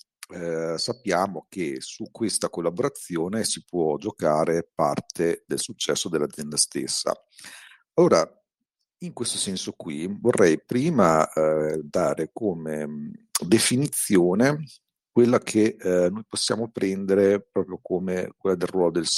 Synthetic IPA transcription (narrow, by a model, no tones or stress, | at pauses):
sapːjaːmokesukwest̪akolːaboɾat̪sjoːnesipwɔd͡ʒokaːɾepa̰rt̪ʰed̪elsut͡ʃːɛsːod̪elːad̪zjɛnd̪ast̪ḛsːa̰ | alːoːɾa | iŋkwest̪o̥sɛnsokwivorːʔɛjpɾiːma | d̪aːɾekomed̪efinit̪sːjoːne | kwelːakʰenojposːja̰ːmopɾɛnd̪eɾepɾɔːpɾjokomek̚welːad̪elrwɔːlod̪els